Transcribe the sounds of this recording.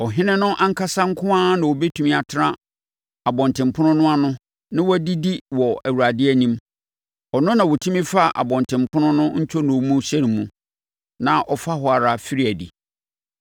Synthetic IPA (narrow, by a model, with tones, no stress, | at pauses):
ɔ˨ɦɪ̃˦nɪ̃˦nʊ̃˦ʔã˦ŋ̩˦kʰa˦sã˦ŋ̩˦kʰʊ˦ã˦nã˨wɔ˨be˦tʰũ˨mĩ˦a˨tʰɪ˦ɾã˦ | a˨bɔ̃˨ntʰɪ̃˨m˨pʰʊ̃˦nʊ̃˦nʊ̃˦a˦nʊ̃˦ | nã˦wɔ˦di˦di˦wɔ˨æ˨wu˨ɾa˨dɪ˦ɛ˦nĩ˦m | ɔ˨nʊ̃˦nã˨wɔ˨tʰĩ˦mĩ˦fa˦˨ʔa̰˨bɔ̃˨n˨tʰɪ̃˨mpʰʊ̃˦nʊ̃˦nʊ̃˦ɲ̩˦t͡ɕʰɔ˦nʊ̃˨˦mũ˦ɕɛ˦ɾi˨mũ˨ | nã˨ʔɔ˨fa˦hɔ˨a˨ɾa˨fi˦ɾi˦æ˨dḭ˨